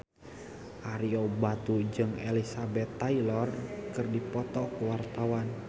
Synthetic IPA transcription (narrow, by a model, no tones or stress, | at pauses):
ʔaɾiobat̪ud͡ʒɨŋelisabɛt̪ːailɔrkɨrdipɔt̪ɔkəwart̪awan